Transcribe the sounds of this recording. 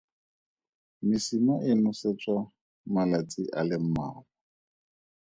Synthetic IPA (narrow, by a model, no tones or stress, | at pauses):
mɪsimɔʔɪnʊset͡sʼwa | malat͡sʼiʔalɪm̩maːkɔ